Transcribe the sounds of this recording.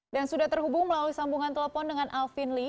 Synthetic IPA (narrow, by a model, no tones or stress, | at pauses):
dansudaht̪ərɦubʊŋməlaluisambuŋant̪ələfɔndəŋanʔalfinli